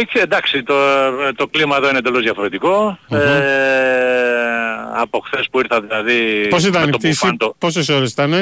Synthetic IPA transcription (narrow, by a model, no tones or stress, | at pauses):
cend̪ɐksit̪ot̪o̞klimɐeðo̞ined̪elozðjɐfo̞ɾe̞t̪iko̞e | ɐpo̞xθe̞spuiɾθɐðilɐðipos̬it̪ɐnmnt̪ot̪isind̪oposesoɾesi̥t̪ɐne